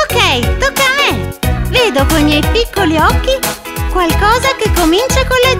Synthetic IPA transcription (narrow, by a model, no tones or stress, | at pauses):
okːɛjt̪okːaːmeveːd̪okoimjɛjpikːoliɔkːi | kwalkɔːzakekːomint͡ʃakole